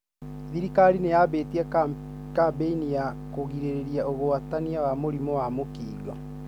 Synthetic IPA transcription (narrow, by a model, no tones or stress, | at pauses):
ðiɾikaɾinejabetiɛ | kabeinija | koɣiɾeɾeɾiaʔoɣoataniawamoɾimɔwamokiːɣɔ